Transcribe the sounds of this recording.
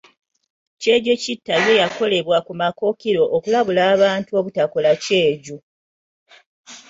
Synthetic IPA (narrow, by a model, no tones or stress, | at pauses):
ce̞ːɟecitːaje̞jako̞le̞βwakumako̞kiɾo̞ʔːkulaβulaːβaːntuo̞ːβutakolace̞ːɟu